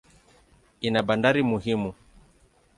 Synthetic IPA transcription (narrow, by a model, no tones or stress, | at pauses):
inaɓandaɾimuhimu